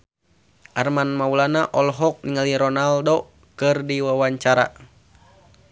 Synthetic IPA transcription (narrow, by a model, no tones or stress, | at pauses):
ʔarmanmaulanaʔɔlɦɔk̚niŋaliɾɔnaldo | kɨrdiwawaɲt͡ʃaɾa̰